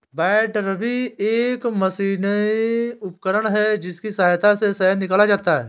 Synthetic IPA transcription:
bɛːʈɾəbʱieːkmɐsiːniʊpkəɾəɽ̃ɦɛd͡ʒɪskisaːjt̪asesɛɦəd̪nɪkəlad͡ʒaːt̪aɦɛ̰ː

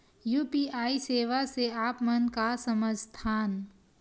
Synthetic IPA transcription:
juːpiːaːiseːʋaseaːpmənkasɐməd͡ʒʱt̪ʰaːn

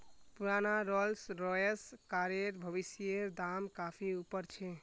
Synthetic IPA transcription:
puɾanaɾɔlsɾɔjeskaɾeɾbʱəʋisijeɾd̪amkapʰiupəɾt͡ʃʰe

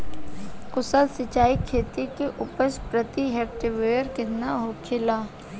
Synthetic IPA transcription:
kʊsəlsɪt͡ʃaːikʰeːt̪ikeʔʊpəspɾət̪iɦeːk̚ʈɪʋeːəɾkɪt̪naɦokʰɪlaː

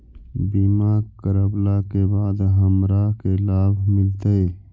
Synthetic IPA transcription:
bimaːkəɾəblakebaːd̪ɦəmɾakelaːbʱmɪlt̪əɦeː

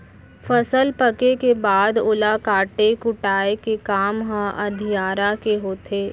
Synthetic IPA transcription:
fɐsəlpəkekebaːd̪ʊlakaːʈekʊʈaːekekaːmɦãʔɐd̪ʱijaːɾakeɦoːt̪ʰeː

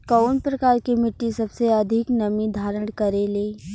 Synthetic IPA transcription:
kɔːnpɾɐkaːɾkimɪʈːisɐbseɐd̪ʱɪknɐmid̪ʱaːɾəɽ̃kɐɾeleː

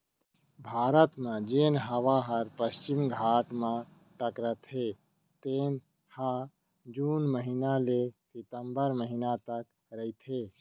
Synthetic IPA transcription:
bʱaːɾət̪mãd͡ʒeːnɦəʋaɦəɾpəst͡ʃɪmɡʱaːʈmã | ʈəkɾət̪ɦe | t̪eːn | ha | d͡ʒuːnməɦinalesɪt̪əmbəɾməɦinat̪ək | ɾəit̪ɦeː

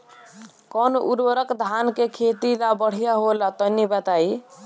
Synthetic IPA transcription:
kɔnʔuɾəɾəkd̪ʱankekʰet̪ilabəɽ̤ijaɦolat̪ɔnibət̪ai

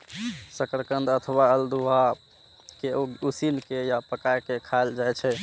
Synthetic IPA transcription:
səkɾəkənd̪ət̪ʰəwaəld̪uɦa | keusinkejapəkajkekʰald͡ʒajt͡ʃʰɛ

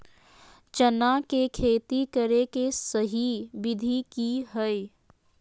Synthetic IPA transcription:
t͡ʃənakekʰeːt̪ikəɾekesəɦibɪd̪ʱikiɦə

